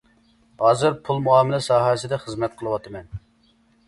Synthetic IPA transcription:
hɑːzɨɾpʰulˠmuɑːmɪlɛsɑːɦɛsɪd̪ɛχəzmɛt̪̚qʰəlˠɨwɑt̪ʰɨmɛn

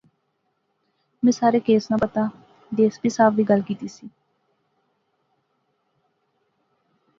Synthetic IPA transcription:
mɛ̃ːsaːɾeːkeːsnãːpət̪aː | d̪eːsbiːsaːbʋiːɡəlkiːt̪iːsiː

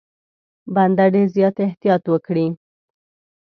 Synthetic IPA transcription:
band̪aɖezjɑt̪ɪht̪ijɑt̪wəkɽi

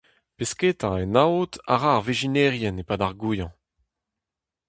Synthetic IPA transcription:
pesketãenaota̰ʁaːʁviʒinɛʁjɛnepadaʁɡuːjɑ̃

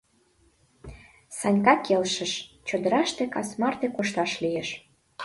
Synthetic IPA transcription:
sɑnʲkɑkelʃə̆ʃt͡ɕod̪əɾɑʃt̪ekɑsmɑrt̪ekoʃt̪ɑʃlijeʃ

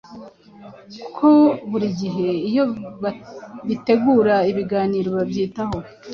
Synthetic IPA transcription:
kukʰo̞βuɾiɟiɦe̞ijo̞βaβite̞ɡuːɾaiβiɡaːniːɾoβabjiːtaho̞

